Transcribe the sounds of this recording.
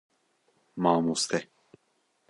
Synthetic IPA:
maːmust̪ʰɛ

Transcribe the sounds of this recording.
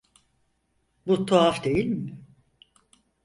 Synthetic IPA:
but̪ʰoafd̪e̞jilʲmɪ

